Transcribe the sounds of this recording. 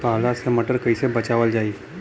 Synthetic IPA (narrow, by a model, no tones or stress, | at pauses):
paːlasemɐʈəɾkɐisebɐt͡ʃaːʋəld͡ʒaːiː